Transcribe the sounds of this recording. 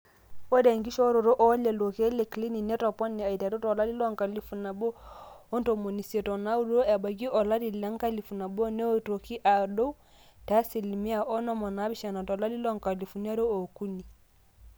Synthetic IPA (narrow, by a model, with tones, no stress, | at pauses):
o˦dɛ˨ŋɡi˦ʃɔ˦ɾo˨ɾo˦ʔɔ˦lɛ˨lo˨ke˦le˨kli˦ni˨nɛ˦tɔ˨pɔ˦ni˨a˨i˨ta˨to˦tɔ˨la˦li˦lɔ˦ŋka˨li˦fu˨na˨bo˦o˦nto˨mo˨ni˨se˨tɔ˨na˦u˦ɾo˨ɾo˦ʔɛ˨ba˨ɡ̬i˦ʔɔ˨la˦di˨la˦ŋ˦ka˦li˨fu˨na˨bo˦nɛ˦o˦˨to˨ki˦ʔa˨do˦u˦ | ta˨˦si˨li˨mi˦a˨ʔɔ˦nɔ˦mɔ˨na˨˦bi˦ʃa˨na˨tɔ˨la˦li˦lɔ˦ŋka˨li˨fu˨n˦a˦ɾo˦o˨ku˦ni˨